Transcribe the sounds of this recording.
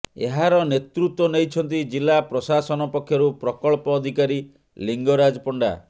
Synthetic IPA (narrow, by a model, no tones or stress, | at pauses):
ḛɦaɾɔnet̪ɾut̪wɔnejt͡ʃʰɔnt̪̬id͡ʒilːapɾɔsasɔnɔpɔkʰːjɔɾupɾɔkɔɭpɔːd̪ʱikaɾi | liŋɡɔɾad͡ʒɔpɔɳɖa̰